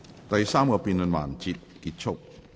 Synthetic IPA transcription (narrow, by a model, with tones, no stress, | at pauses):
t̪ɐ˨jsaː˥mkɔː˧piː˨˧nlə˨˧nma̰ː˨˩nt͡siː˧t̚kiː˧˥t̚t͡ʃʰʊ˥k̚